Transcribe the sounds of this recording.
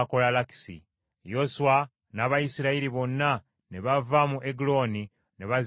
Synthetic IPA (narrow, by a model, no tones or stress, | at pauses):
kolalaki̥sḭ | jo̞suwa | naβajisiɾaiɾiβo̞nːa | ne̞βavamuʔeɡulo̞ni | ne̞βaz